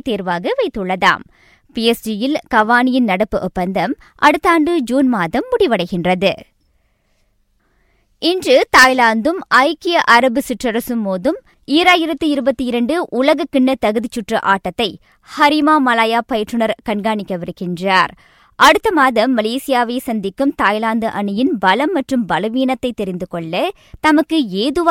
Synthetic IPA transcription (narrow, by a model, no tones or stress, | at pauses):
t̪eːɾʋaːɣɐʋɐɪt̪ːɯɭːɐða̰ːm | piɛsd͡ʒijɪlkɐʋaːnɪjɪnnɐɽɐpːɯʔɔpːɐnd̪ɐm | ʔɐɽɯt̪ːaːɳɖɯd͡ʒuːnmaːðɐmːʊɽɪʋɐɽɐɪɣɪndrɐðɯ | ɪndrɯt̪aːjlaːnd̪ɯmɐɪkɪjɐʔɐɾɐbɯsɪʈrɐɾɐsɯmːoːðɯm | iːɾaːjɪɾɐt̪ːɯɪɾɯbɐt̪ːiɪɾɐɳɖɯʔʊlɐɣɐkːɪɳːɐt̪ɐɣɯðɪt͡ʃːʊʈrɐʔaːʈːɐt̪ːɐɪ | hɐɾɪmaːmɐlaːjaːpɐjɐʈrɯnɐɾkɐɳɡaːɳɪkːɐʋɪɾɯkɪndraːɾ | ʔɐɽɯt̪ːɐmaːðɐmːɐleːsɪjaːʋesɐnd̪ɪkːɯmt̪aːjlaːnd̪ɯʔɐɳɯjɪnbɐlɐmːɐʈrɯmbɐlɐʋiːnɐt̪ːɐɪt̪ːɛɾɪnd̪ɯkɔɭːɐ | t̪ɐmɐkːɯeːðɯʋa